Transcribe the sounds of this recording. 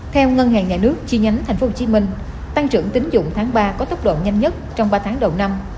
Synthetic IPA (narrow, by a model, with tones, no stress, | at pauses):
t̪ʰɛ˧wŋə˧nha̰ː˧˨ŋɲaː˨˩nɨ˦˥ək̚t͡ɕi˧ɲa˨˦jŋ̟t̪ʰjŋ̟fo˨˦ho˧t͡ɕi˨˦mï˧ŋ̟ | t̪a˧ŋt͡ɕɨ̰˧˩əŋt̪ï˨˦ŋ̟zʊ̰˧˨ŋ͡mt̪ʰaː˨˦ŋɓaː˧kɔ˨˦t̪ə˦˥k͡p̚ɗo̰˧˨ɲa˧jŋ̟ɲə˦˥t̚t͡ɕɔ˧wŋ͡mɓaː˧t̪ʰːŋɗə˨˩wna˧m